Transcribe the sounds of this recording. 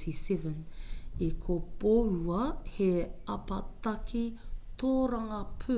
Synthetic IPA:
isɛvənekʰob̥oɾuɐheapatakitoɾaŋɐpʰø

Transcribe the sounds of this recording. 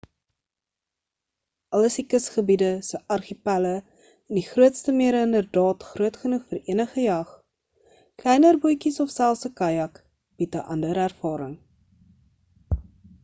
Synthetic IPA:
ʔɐləsdikəsχəbidəsəʔɐrχipælə | ɛndiχruətstəmiəɾəəndərdɑːtχruətχənuχfəriənəχəjɐχ | klɛjnərbujkisɔfsælˠsəkɐjɐk | b̥itəʔɐndəɾærfɑːɾəŋ

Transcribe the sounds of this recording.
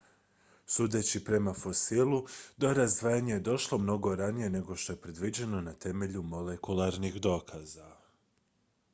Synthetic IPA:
suːd̪e̞t͡ɕipɾe̞mafo̞silˠud̪o̞ɾazd̪ʋaːjaɲejed̪o̞ʃlˠo̞mno̞ɡo̞ɾanije̞ne̞ɡo̞ʃt̪o̞je̞pɾe̞d̪ʋid͡ʑe̞no̞nat̪e̞me̞ʎumo̞le̞kulˠaɾnixd̪o̞ːkʰaza

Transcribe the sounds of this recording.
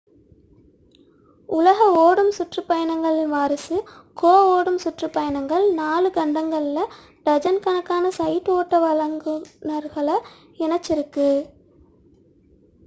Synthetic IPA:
ʊlɐɣɐoːɽɯmsʊʈrɯpːɐjɐnɐŋɡɐɭɪnʋaːɾɐsɯkoːoːɽɯmsʊʈrɯpːɐjɐnɐŋɡɐɭnaːlɯɡɐɳɖɐŋɡɐɭɪlɐ | ɖɐd͡ʒɐnkɐnɐkːaːnɐsɐjt̪oːʈːɐʋɐlɐŋɡɯnɐɾɣɐɭɐ | ɛnɐt͡ʃːɪɾɯkːɯ

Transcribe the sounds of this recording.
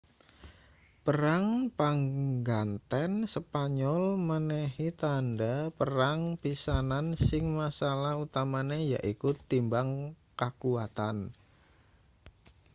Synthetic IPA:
pəɾaŋpaŋɡant̪ɛnsəpaɲɔlmənehit̪andapəɾaŋpisanansɪŋmasalahut̪amaneja̰ʔikut̪ːimbaŋ | kakuat̪an

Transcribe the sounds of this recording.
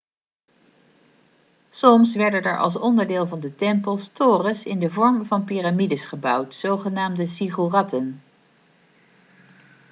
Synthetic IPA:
sɔmsʋɛɹdənɛɹʔɑ̰lˠs̬ɔndəɹdɪːlˠvɑndətɛmpəlˠstoːrəsɪndəvɔɹmvɑnpiramidəsχəbʌwtsowχənaːmdəsiχurɑtən

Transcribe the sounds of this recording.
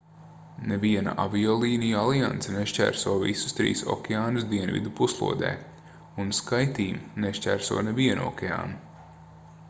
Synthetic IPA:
neviɛna̰ʔa̰viɔːlˠiːnijualˠiant̪sɛneʃcʲæ̰ːɾsuɔvḭsu̥st̪ɾḭːsɔ̰kʲeaːnusd̪iɛnvḭd̪upuslˠṵɔd̪ɛ̰ː | unskajt̪iːmneʃcʲæ̰ːɾsṵɔneviɛnṵɔ̰kʲɛa̰ːnu

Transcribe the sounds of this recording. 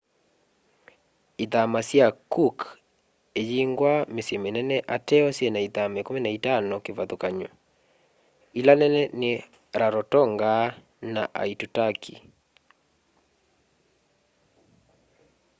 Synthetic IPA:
iðamasjakuk | ed͡ʒiŋɡwamesjɛmenɛnɛʔatɛɔsjɛnaiðamekomenaitanɔkevaðokaɲɔ̰ | ilanɛnɛnɪ | ɾaɾɔtɔŋɡa | naʔa̰itutakʰḭ

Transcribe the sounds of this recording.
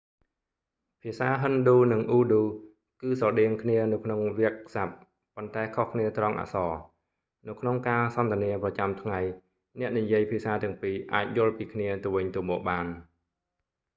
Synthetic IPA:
pʰiəsaːɦɨnɗuːnɨŋʔuːɗuː | kɨːsɑɗɛəŋkʰniənɨwkʰnoŋriək̚sap̚ː | ont̪aɛkʰohkʰniət̪rɑŋʔa̰ʔsɑː | nɨwkʰnoŋkaːsɑnt̪ɛ̆əniəprɑt͡ɕamt̪ʰŋaj | nɛ̆əʔnijiəjpʰiəsaːt̪ɛ̆əŋpiːʔaːc̚jʊ̆əlpiːkʰniət̪ɨəwʋɨɲt̪ɨmɔːk̚ɓaːn

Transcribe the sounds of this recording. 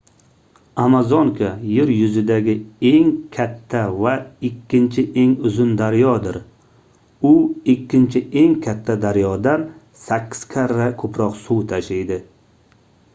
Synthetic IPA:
amazɒŋkʰajeɾjʊzɪd̪aɡʲɪe̞ŋkʲʰat̪ʰːavaɪkʲʰːɪnt͡ʃʰɪʔe̞ŋʊzʊnd̪aɾjɒd̪ɪɾ | ʊɪkʲːɪnt͡ʃʰɪe̞ŋkʲʰat̪ʰːad̪aɾjɒd̪an | sakʲʰːɪ̥z̥kʲʰaɾːakʰɵpɾɒqsuwt̪ʰaʃejd̪ɪ

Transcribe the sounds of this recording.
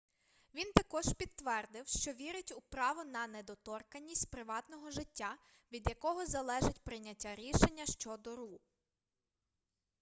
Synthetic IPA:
ʋʲint̪ɐkɔʒ̥pʲit̪ːʋɛrd̪ɪwʃt͡ʃɔʋʲiɾɪtʲʊpɾɑʋɔnɐned̪ɔt̪ɔrkɐnʲːisʲtʲpɾɪʋɑt̪nɔɦɔʒɪtʲːa | ʋʲid̪jɐkɔɦɔzɐlˠɛʒɪtʲpɾɪnʲɐtʲːaɾʲiʃenʲːɐʃt͡ʃɔd̪ɔɾu

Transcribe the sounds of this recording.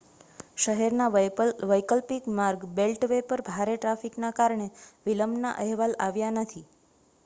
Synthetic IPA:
ʃəɦɛɾnaʋəjkəlpikmaɾɡbelʈʋepəɾbʱaɾeʈɾafiknakaɾɳeʋiləmna̰ʔəɦʋalaʋjanət̪ʰi

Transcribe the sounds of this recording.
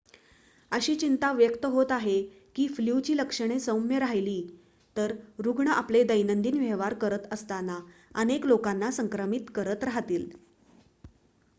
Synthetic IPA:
əɕiːt͡ɕint̪aʋjəkt̪əɦot̪aɦe | kiːfljut͡ɕiːləkʂəɳ̃esəwmjeɾaɦjliː | t̪əɾɾuɡɳəʔapled̪əjnənd̪iːnʋjeʋaɾkəɾət̪əst̪anaəneklokanːasəŋkɾəmit̪kəɾət̪ɾaɦt̪iːl

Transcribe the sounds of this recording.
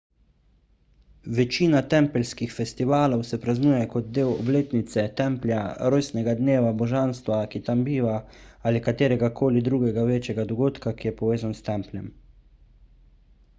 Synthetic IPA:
ʋɛt͡ʃiːnat̪ɛmpɛlskixfɛst̪iʋaːlɔwsɛpɾaznuːjɛkɔd̪̚d̪eːwɔ̰bleːt̪nit̪sɛt̪ɛmplʲjaɾoːjsnɛɡad̪neːʋabɔʒanst̪ʋakit̪ambiːʋaaːlikat̪eːɾɛɡakʰoːlid̪ɾuːɡɛɡaʋeːt͡ʃɛɡad̪ɔɡoːt̪kakijɛpɔʋeːzanst̪ɛmpljɛm

